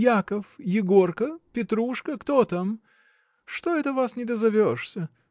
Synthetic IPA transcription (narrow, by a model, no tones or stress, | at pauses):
jakəfjɪɡo̞rkəpʲɪt̪ɾuʂkəkt̪ot̪am | ʂt̪oɛt̪əvasnʲɪd̪əzɐvʲoʂsʲə